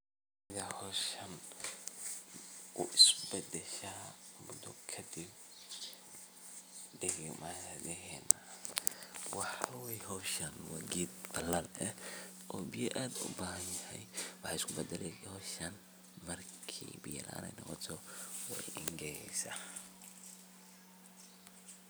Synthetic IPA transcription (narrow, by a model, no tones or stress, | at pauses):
sɪðahɔʃɐn | ʊʔɪsbɛd̪ɛʃɐmʊd̪ʊkʰɐd̪ɪb̚ | d̪ɛɾ̰maðɛɦɛːnɐ | wɑħwɛjhɔːʃɐnwɑɡiːd̪bɐlaːlɛh | ʔɔːbɪjɛʔaːd̪ʊ̰baːɦɐnjɐhɛjwɑħɑɪskʰʊbɛd̪ɛlɛhɔːʃɐn | mɐrkʰḭːbɪjɐ̰lʔa̰ːnɛ̰jnɔqɔt̪ʰɔwɛ̰jɪŋɡɛjɛjsa̰